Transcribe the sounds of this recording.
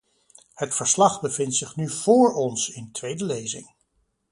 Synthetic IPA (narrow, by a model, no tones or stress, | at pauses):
hətfəɹslɑχbəvɪntsɪχnyv̥ʊːɹɔnsɪntʋejdəlejzɪ̰ŋ